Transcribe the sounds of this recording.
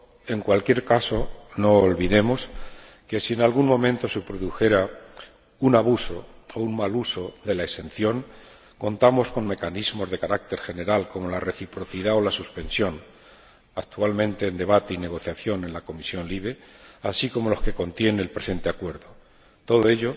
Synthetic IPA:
e̞ŋkwalkje̞ɾkaso̞no̞ːlβiðe̞mo̞s | ke̞sienalɣuŋmõ̞mẽnt̪o̞supɾoðuxe̞ɾa | unaβuso̞ouŋmaluso̞ðe̞laese̞n̟θjo̞ŋ | ko̞nt̪amo̞sko̞ŋme̞kanizmo̞zðe̞kaɾak̚t̪e̞ɾxe̞ne̞ɾalko̞mo̞lare̞θipɾo̞θiðao̞lasuspe̞nsjo̞n | ak̚t̪ualmẽnt̪e̞ːnd̪e̞β̞at̪e̞ine̞ɣ̞o̞θjaθjo̞ne̞nlako̞misjo̞nliβ̞e̞asiko̞mo̞lo̞ske̞ko̞nt̪je̞neːlpɾe̞se̞nt̪e̞akwe̞ɾðo | t̪o̞ð̞o̞e̞ʎo̞

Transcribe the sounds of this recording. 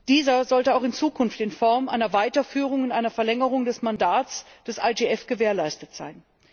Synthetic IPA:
d̥iːzɐzɔltəaʊχɪnt͡suːkʰʊnftɪnfɔɐmʔa̰ɪnɐvaɪtɐfyːʁ̞ʊŋʊntʔaɪnɐfɛɐlɛŋəʁʊŋdɛsmandaːt͡s | d̥ɛsʔa̰d͡ʒeʔɛfɡ̥əveːɐlaɪstətz̥a̰ɪn

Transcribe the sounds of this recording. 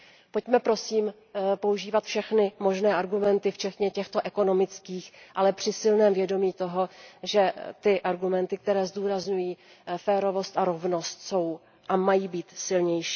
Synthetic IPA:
pocmɛpɾo̞siːm | po̞uʒiːvat̪fʃɛxnɪmo̞ʒnɛːʔaɾɡumɛnt̪ɪft͡ʃɛt̪ɲɛcɛxt̪o̞ʔɛko̞no̞mɪt͡skiːxʔalɛpr̥ɪsɪlnɛːmvjɛdo̞miːt̪o̞ɦo̞ʒɛt̪ɪʔaɾɡumɛnt̪ɪk̚t̪ɛɾɛːzd̪uːɾazɲujiː | fɛːɾo̞vo̞st̪aɾo̞vno̞st̪so̞w | ʔamajiːbiːt̪sɪlɲɛjʃi̥ː

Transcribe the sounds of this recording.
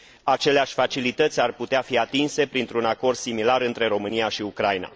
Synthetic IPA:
at͡ʃe̞leaʃʲfat͡ʃilit̪ət̪sʲarput̪eafiat̪inse̞pɾint̪ɾunako̞rd̪̥similaɾɨnt̪ɾe̞ɾo̞mɨnijaʃiukɾajna̰

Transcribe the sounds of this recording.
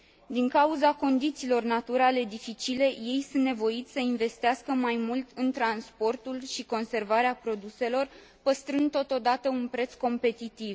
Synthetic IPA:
d̪iŋkauzako̞nd̪it̪siːlo̞rnat̪uɾale̞d̪ifit͡ʃile̞je̞jsunt̪ne̞vo̞it̪sʲsəinve̞st̪easkəmajmult̪ʰɨnt̪ɾanspo̞rt̪ulʃiko̞nse̞rvaɾeapɾo̞d̪use̞lo̞r | pəst̪ɾɨnd̪ːo̞t̪o̞d̪at̪əunpɾe̞t̪sko̞mpe̞t̪it̪iv

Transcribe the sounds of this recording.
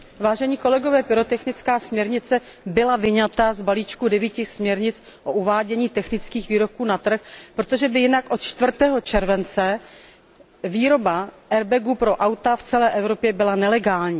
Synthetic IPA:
vaːʒɛɲiːko̞lɛɡo̞vɛːpɪɾot̪ɛxnɪt͡skaːsmɲɛɾɲɪt͡sɛ | bɪlavɪɲat̪azbaliːt͡ʃkudɛviːcɪsmɲɛɾɲɪt͡s | ʔoʔuvaːɟɛɲiːt̪ɛxnɪt͡skiːxviːɾo̞p̚kuːnat̪r̩xpɾot̪oʒɛbɪjɪnakʔo̞t̪t͡ʃt̪vr̩t̪ɛːɦo̞t͡ʃɛɾvɛnt͡sɛ | viːɾo̞baʔɛɾbɛɡupɾo̞ʔawt̪aft͡sɛlɛːʔɛvɾo̞pjɛbɪlanɛlɛɡaːlɲiː

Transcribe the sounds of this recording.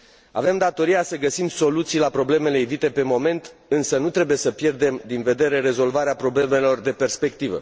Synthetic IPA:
a̰ve̞md̪at̪o̞ɾijasəɡəsimso̞lut̪sijlapɾo̞ble̞me̞le̞evit̪e̞pe̞mo̞me̞nt̪ɨnsənut̪ɾe̞buje̞səpje̞rd̪e̞md̪inve̞d̪e̞ɾe̞ɾe̞zo̞lvaɾeapɾo̞ble̞me̞lo̞rd̪e̞pe̞rspe̞kt̪ivə̰

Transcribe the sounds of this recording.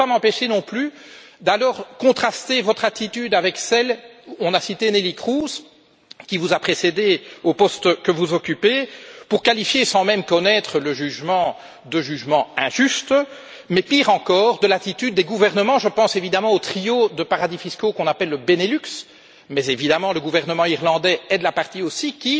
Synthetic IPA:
pamɑ̃peʃenɔ̃ply | d̪alɔːʁkɔ̃t̪χast̪evɔt̪χat̪it̪yd̪avɛksɛlɔ̃nasit̪enelikχuz | kʲivuzapχesed̪eopɔst̪kəvuzɔkʲypepuʁkalifjesɑ̃mɛmkɔnɛt̪χələʒyʒmɑ̃ | d̪əʒyʒmɑ̃ɛ̃ʒyst̪ | mɛpiʁɑ̃kɔːʁd̪əlat̪it̪yd̪̚ːɛɡuvɛʁnəmɑ̃ʒəpɑ̃sevid̪amɑ̃ot̪χiod̪əpaʁad̪ifiskokɔ̃napɛlːəbenelyks | mɛzevid̪amɑ̃ləɡuvɛʁnəmɑ̃iʁlɑ̃d̪ɛɛd̪lapaʁt̪iosikʲi

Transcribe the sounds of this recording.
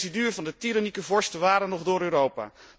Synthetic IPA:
sədyːrvɑndətiɾanikəvɔɹstəʋaːɾənɔχdʊːɾøːɾowpa̰ː

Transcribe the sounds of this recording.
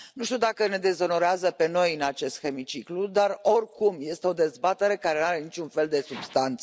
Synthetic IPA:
nuʃt̪iud̪akəne̞d̪e̞zo̞no̞ɾeazəpe̞no̞jɨnat͡ʃe̞st̪xe̞mit͡ʃiklud̪aro̞rʲkumje̞st̪eo̞d̪e̞zbat̪e̞ɾe̞kaɾe̞naɾe̞nit͡ʃunfe̞ld̪e̞subst̪ant̪s

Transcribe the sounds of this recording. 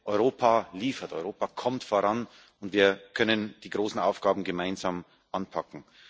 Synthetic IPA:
ʔɔʏʁoːpʰaliːfɐtɔʏʁoːpakʰɔmtfoːʁan | ʊntv̥iːɐkʰœnənd̥iːɡʁoːsn̩ʔaʊfɡ̥aːbm̩ɡəmaɪnzaːm | ʔanpʰakŋ̩

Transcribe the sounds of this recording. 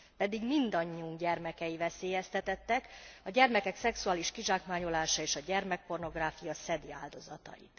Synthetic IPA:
pɛd̪iɡmind̪ɒɲːiuŋɡɟɛrmɛkɛjivɛseːjɛst̪ɛt̪ɛt̪ːɛkɒɟɛrmɛkɛksɛksuaːliʃkiʒaːkmaːɲolaːʃɒeːʃɒɟɛrmɛk̚po̞rno̞ɡraːfijɒsɛd̪iaːld̪o̞zɒt̪ɒ̰jḭt̪

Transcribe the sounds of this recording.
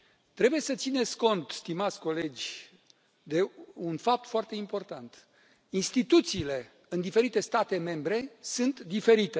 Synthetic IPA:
t̪ɾe̞buje̞sət̪sine̞t̪sʲko̞nt̪st̪imat̪sʲko̞le̞d͡ʒʲ | d̪e̞unfap̚t̪foart̪e̞impo̞rt̪ant̪ | inst̪it̪ut̪siːle̞ | ɨnd̪ife̞ɾit̪e̞st̪at̪e̞me̞mbɾe̞sunt̪d̪ife̞ɾit̪e

